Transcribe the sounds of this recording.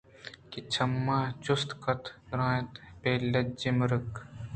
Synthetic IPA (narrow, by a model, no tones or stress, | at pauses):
kit͡ʃʰɐmːaːd͡ʒʊst̪kɐt̪ɾãːjt̪peːlɐd͡ʒimɾək